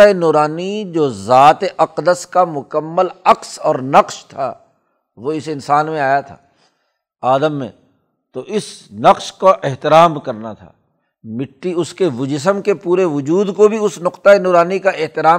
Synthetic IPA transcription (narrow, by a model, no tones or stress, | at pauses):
aenoːɾaːnid͡ʒoːzaːt̪eʔɐqd̪əskamʊkəmːəlɐqsɔːɾnɐqʃt̪ʰa̰ | ʋoɪsɪnsaːnmẽaːjat̪ʰa̰ː | aːd̪əmːḛ̃ | t̪oʔɪsnɐqʃkaʔeɦt̪ɪɾaːmkɐɾnat̪ʰa̰ː | mɪʈːiʊskeʋʊd͡ʒɪs̬əmkepuːɾeʋʊd͡ʒuːd̪kobʱiʊsnʊqt̪aenoːɾaːnikaʔɪɦt̪ɪɾaː